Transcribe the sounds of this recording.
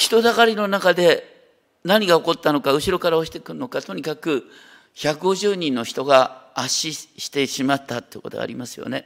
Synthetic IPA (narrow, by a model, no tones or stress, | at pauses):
çi̥t̪o̞d̪aɣaɾʲino̞nakad̪e̞ | naɲ̟iɡao̞ko̞t̪ːano̞kaɯ̟ɕiɾo̞kaɾaoɕi̥t̪ekɯ̟ɾɯno̞kat̪o̞ɲ̟ikakɯ̟ | çakɯ̟ɡo̞ʑɨːɲ̟ĩnːo̞çi̥t̪o̞ɡaːɕiɕi̥t̪e̞ɕimat̪ːat̪ːeiko̞̰t̪o̰a̰ɾʲimasɨjo̰ne̞